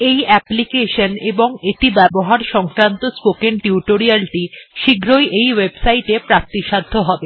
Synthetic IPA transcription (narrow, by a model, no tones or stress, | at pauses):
ejɛplikeʃoneboŋet̪ibɛboɦaɾʃɔŋkɾant̪ospokeŋʈiuʈoɾialʈiʃiɡɾojʔejwebsajʈepɾak̚t̪iʃad̪ʱːoɦɔbe